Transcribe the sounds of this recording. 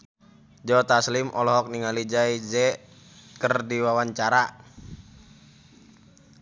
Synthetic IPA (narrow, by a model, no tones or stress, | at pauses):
d͡ʒɔt̪aslimʔɔlɔɦɔk̚niŋalid͡ʒaid͡ʒɛ | kərdiwawaɲt͡ʃaɾa